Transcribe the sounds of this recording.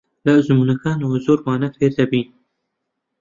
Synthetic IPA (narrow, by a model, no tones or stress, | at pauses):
lɐzmuːnɐkaːnɐwɐzoːɾwaːnɐfeːɾd̪ɐbiːn